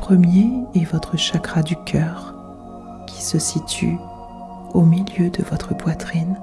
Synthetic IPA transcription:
pχəmjeɛvɔt̪χəʃakʁad̪ykʲʰœːʁ | kʲʰi̥səsit̪y̰ | omiljød̪əvɔt̪χəpwat̪χin

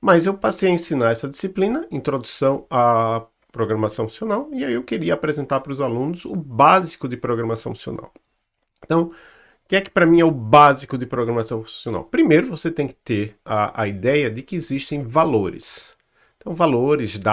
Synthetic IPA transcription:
mɐzewpasejɐẽsinaɾɛsɐd̪isiplĩnɐĩt̪ɾod̪usɐ̃w̃a | pɾoɡɾɐ̃masɐ̃w̃asionawiaiewkeɾiɐːpɾezẽnt̪aɾpɾʊzalũnʊzʊbazikʊd̪ɪpɾoɡɾɐmasɐ̃w̃asio̰nʔa̰w̃ | t̪ɐ̃w̃ | kɪɛkɪ̥pɾɐmĩɛʊbazikʊd̪ɪpɾoɡɾɐmasɐ̃w̃siona̰wpɾimejɾʊvoset̪ẽj̃kɪ̥t̪eɾaɐ̰id̪ɛjɐd̪ɪkɪːziʃt̪ẽj̃valoɾɪ̰s | t̪ɐ̃w̃valoɾɪzd̪a

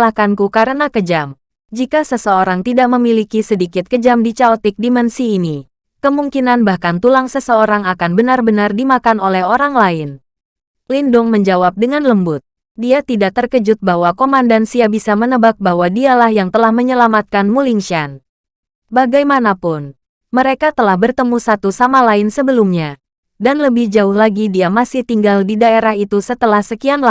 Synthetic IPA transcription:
lakankukaɾənakəd͡ʒam | d͡ʒikasəsəoɾaŋt̪idaʔ̚məmilikisədikɪt̪̚kəd͡ʒamdit͡ʃaɔt̪ɪk̚dimɛnsiːni | kəmuŋkinanbahkant̪ulaŋsəsəoɾaŋakanbənarbənardimakanolɛɦoɾaŋlaɪn | lindʊŋməɲd͡ʒawap̚dəŋanləmbʊt̪̚ | diat̪idak̚t̪ərkəd͡ʒʊt̪̚baɦwakomandansiabisamənəbak̚bahɦwadialahjaŋt̪əlahməɲəlamat̪̚kanmuliŋʃan | baɡajmanapʊn | məɾekat̪əlahbərt̪əmusat̪usamalaɪnsəbəlumɲa | danləbɪhd͡ʒaʊhlaɡidiamasɪht̪iŋɡaldidaeɾaɦit̪usət̪əlahsəkianla

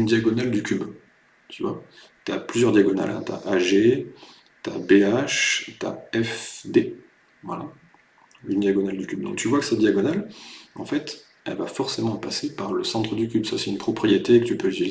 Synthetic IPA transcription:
ynd̪jaɡɔnald̪ykʲyb | t̪ʰyvwa̰ | t̪yaplyzjœʁd̪jaɡɔna̰lʔɛ̰̃t̪ya̰ʔaʒe | t̪a̰beaʃt̪a̰ɛfd̪e | vwala̰ | ynd̪jaɡɔnald̪ykʲyb̚d̪ɔ̃k̚t̪yvwakə̥sɛd̪jaɡɔnalɑ̰̃fɛt̪ | ɛ̰lvafɔʁsemɑ̃pasepaʁləsɑ̃t̪χəd̪ykʲybsasɛynpχɔpχijet̪ekə̥t̪ypøili

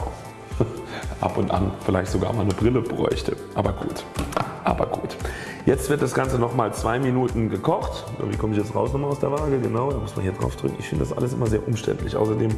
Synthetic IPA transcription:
ʔa̰pʊntʔa̰nfɪlaɪçtz̥oɡa̰ːɐmaːlnəbʁɪləbʁɔ̰ʏçtʰəʔaːbɐɡṵːtʔa̰ːbɐ̰ɡṵːt | jɛt͡stv̥ɪɐt̚d̥asɡ̥ant͡sənɔχmaːlt͡sv̥aɪminuːtn̩ɡəkʰɔχtːdɐ̰vḭːkʰɔməɪçjɛt͡stʁaʊsnɔχmalaʊsd̥eːɐvaːɡəɡənaʊdamʊsma̰nhiːɐdʁa̰ʊfd̥ʁʏkŋ̩ɪçfɪndəd̥asʔa̰ləsʔɪmɐzeːɐʔʊmʃtɛ̰ntlɪ̰çʔa̰ʊsɐdeːm

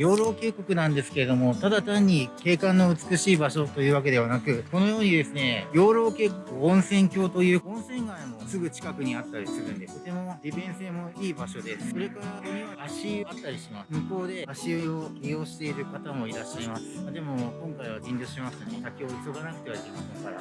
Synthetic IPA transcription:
jo̞ːɾo̞ːke̞ːko̞kɯ̟nãnd̪e̞sɨ̥ke̞ɾed̪o̞mo̞t̪ad̪at̪ãɲ̟ːike̞ːkãnːo̞ɯ̟t͡sɨ̥kɯ̟ɕiːbaɕo̞t̪o̞jɯ̟ːβak̬e̞d̪e̞βanakɯ̟ko̞no̞jo̞ːɲ̟id̪e̞sɨne̞jo̞ːɾo̞ːke̞ːko̞kɯ̟õɰ̃sẽ̞ŋkʲo̞ːt̪o̞jɯ̟ːõ̞ɰ̃sẽ̞ŋɡaĩmo̞sɨɡɯ̟t͡ɕi̥kakɯ̟ɲ̟iat̪ːaɾʲisɨɾɯ̟̃nd̪e̞t̪o̞t̪e̞mo̞d̪ʲibẽ̞ɰ̃se̞ːmo̞iːbaɕo̞d̪e̞sɨ̥ko̞ɾe̞kaɾaaɕiat̪ːaɾʲiɕimasmɯ̟ko̞ːd̪e̞aɕioɡʲio̞ːɕi̥t̪e̞iɾɯ̟kat̪amo̞iɾaɕːaimasɨ̥mad̪e̞mo̞kõ̞ŋkaiβaɡʲĩnd̪oɕimasɨ̥t̪anesakʲio̞iso̞ɡanakɯ̟t̪eβaɾkimaaskaɾa̰

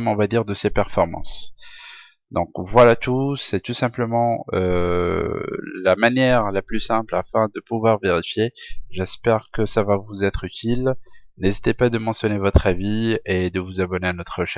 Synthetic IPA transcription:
mɔ̃vad̪iʁd̪əsepɛʁfɔʁmɑ̰̃s | d̪ɔ̃kvwalat̪usɛt̪usɛ̃pləmɑ̃ø̰ | lamanjɛʁlaplysɛ̃plafɛ̃d̪əpuvwaʁveʁifjeʒɛspɛʁkəsavavuzɛt̪χyt̪ʰilnezit̪epad̪əmɑ̃sjɔnevɔt̪χavied̪əvuzabɔneanɔt̪χəʃɛ

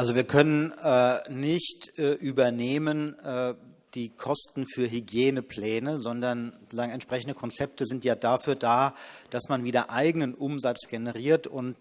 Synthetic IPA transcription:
ʔalzoviːɐkʰœnənɛːnɪçtʔɛːʔyːbɐneːmənɛː | d̥iːkʰɔstn̩fyːɐɦyɡjeːnəpl̥ɛːnəzɔndɐn | aːɡŋ̩ɛntʃpʁ̥ɛçn̩dəkʰɔnt͡sɛp̚təzɪntjaːdaːfyːɐdaːd̥asmanviːdɐʔaɪɡənənʔʊmzat͡sɡ̥enəʁiːɐtʊnt

